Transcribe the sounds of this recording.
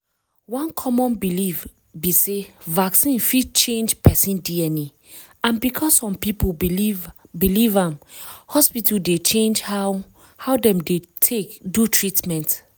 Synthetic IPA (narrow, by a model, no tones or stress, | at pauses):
wɔ̃nkʰɔmɔ̃nbiliv | bisevaksĩnfid̚t͡ʃẽnd͡ʒpʰɛsĩndiɛni | ãnbikʰɔsːɔ̃mpipu | bilivãmhɔspituldet͡ʃẽnd͡ʒha | hawdɛ̃mdetʰekdutʰɹitmɛ̃nt